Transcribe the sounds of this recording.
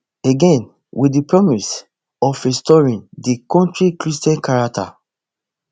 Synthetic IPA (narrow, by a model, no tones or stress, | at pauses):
eɡɛ̃n | widipɹɔmis | ɔfɹistɔɹĩndikɔ̃ntɹikɹistɛ̃nkaɹak̚tʰa̰